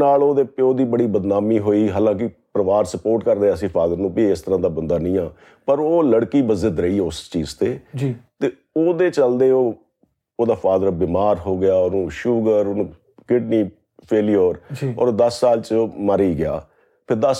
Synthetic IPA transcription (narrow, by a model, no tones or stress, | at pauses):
naːloːd̪eːpoːd̪iːbəɽiːbəd̪naːmiːɦoːiːɦaːlãːk̬ɪpɾəʋaːɾsəpoːɾʈkəɾd̪eːəsĩːpʰaːd̪əɾnũːpiːɪst̪əɾãːd̪aːbənd̪aːnəĩːãː | pəɾoːləɽkiːbəzɪd̪ɾəiːʊst͡ʃiːzt̪eːd͡ʒt̪eː | oːd̪eːt͡ʃəld̪eːoː | oːd̪aːpʰaːd̪ɾbiːmaːɾɦoːɡɪjaːɔːɾũːʃuːɡəɾonũː | kɪʈniː | pʰeːlijoːɾd͡ʒːɔ̰ːɾoːd̪əsːaːlt͡ʃːməɾiːɡɪja̰ː | pʰɪɾd̪əs